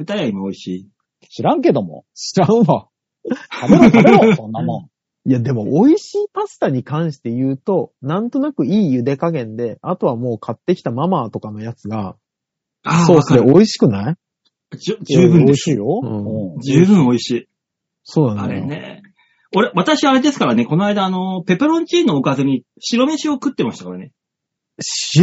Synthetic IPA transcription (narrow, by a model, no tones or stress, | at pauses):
ɯ̟t̪ajaimaoiɕiː | ɕiɾãŋke̞d̪o̞mo̞̰ɕiɾãɯ̃βa | ameɾoaɾeomama | jad̪e̞mo̞ʔoiɕiːpasɨ̥t̪aɲ̟ikãɰ̃ɕi̥t̪e̞jɯ̟ːt̪o̞nãnt̪o̞nakɯ̟iːjɯ̟d̪e̞kaɡẽ̞nd̪e̞at̪o̞βamo̞ːkʰat̪ːe̞kʲi̥t̪amamat̪o̞kano̞jat͡sɨɡa | aso̞ːseoiɕi̥kɯ̟nai | d͡ʑɨːbɯ̟̃nd̪esjoɯ̟̃ːd͡ʑɨːbɯ̟̃ɰ̃o̞iɕiː | so̞ːnãnaɾḛnḛ | o̞ɾe̞βat̪aɕiaːɾe̞d̪esɨ̥kaɾane̞ko̞noaid̪aːno̞pe̞pɯɾõ̞ɲt͡ɕiːnːo̞ːkazeɲ̟i | ɕiɾo̞me̞ɕiokɯ̟t̪ːe̞maɕi̥t̪akoɾene | ɕ